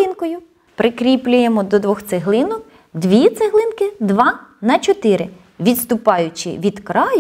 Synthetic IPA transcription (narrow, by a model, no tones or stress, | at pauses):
ɪnkɔjʊ | pɾʔɪkɾʲiplʲʊjemɔd̪ɔd̪ʋɔxt̪seɦlˠɪnɔk̚ | d̪ʋʲit̪seɦlˠɪnkɪd̪ʋɑnɐt͡ʃɔt̪ɪɾɪ | ʋʲid̪st̪ʊpɑjʊt͡ʃɪ̰ʋʲid̪kɾɑj